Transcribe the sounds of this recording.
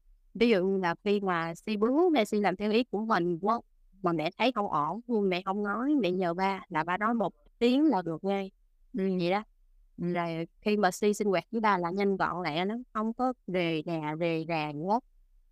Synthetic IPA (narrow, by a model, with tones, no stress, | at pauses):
vi˨˦zṵ˧˨laː˨˩xi˧maː˨˩si˧ɓɨ˨˦mɛ̰˧˩si˧nlaː˨˩mt̪ʰi˧wʔi˨˦ku˧˩əmï˨˩ŋkwə˦˥w̚ | maː˨˩mɛ̰˧˨t̪ʰə˨˦jxə˧wŋ͡mʔɔ˧˩hu˧ŋmɛ̰˧˨hə˧wŋ͡mnɔ˨˦jmɛ̰˧˨ɲəː˨˩ɓaː˧laː˨˩ɓaː˧nɔ˨˦jmo˨˩t̚t̪i˨˦əŋlaː˨˩ɗɨ˨˩ək̚ŋa˧j | ɲi˨˩˨ɗa˨˦˨ | zoː˨˩jxi˧maː˨˩si˧si˧ŋ̟wɛː˨˩k̚t͡ɕɨ˨˦ɓaː˧laː˨˩ɲə˧nkɔ̰˧˨la̰ː˧˨nɔ˨˦xə˧wŋ͡mkɔ˨˦ve˨˩naː˨˩ve˨˩zaː˨˩ŋkwə˦˥k̚